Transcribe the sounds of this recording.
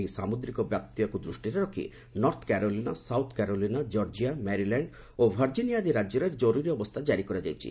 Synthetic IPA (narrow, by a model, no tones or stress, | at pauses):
ejsamod̪ɾikɔbjap̚t̪ːiekud̪ɾuʃʈiɾaɾɔkʰḭ | nɔɾt̪ʰkɛɾolinasawt̪ʰkɛɾolinad͡ʒɔɾd͡ʒiamɛɾilɛɳɖ | obʱaɾd͡ʒinijad̪iɾad͡ʒɔɾaɾd͡ʒoɾuɾiɔbost̪ʰad͡ʒaɾikɔɾed͡ʒajt͡ʃʰḭ